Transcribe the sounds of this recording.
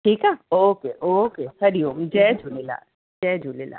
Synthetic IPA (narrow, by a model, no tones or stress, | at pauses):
ʈʰiːkaoːkeʔoːkehɐɾijoŋd͡ʒɛːd͡ʒulela̰ː | d͡ʒɛːd͡ʒulela̰ː